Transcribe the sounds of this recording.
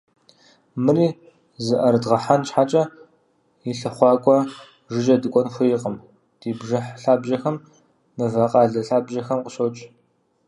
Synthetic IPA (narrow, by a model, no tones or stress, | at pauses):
mɨriː | zɨʔɐɾdʁɐħant͡ʃħat͡ʃʼɐ | jɪɬɨχʷɑːkʷʼɔ | ʒɪʒɐdɨkʷʼɔnxʷʊjɪqʼəm | d̥iːbʒɐħɬaːbʑɐxɐmː | ɨvɐqʼɑːɮɐɬaːbʒɐxɐmqəɕowt͡ʃʼ